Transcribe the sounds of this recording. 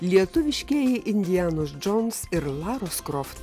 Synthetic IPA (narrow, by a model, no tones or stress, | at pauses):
lʲiɛt̪ʊʋʲɪʃʲkʲiɛjɛʔɪnʲd̪ʲɪjæːnʊsd͡ʒɔnsɪɾlˠɑːɾoskɾɔft̪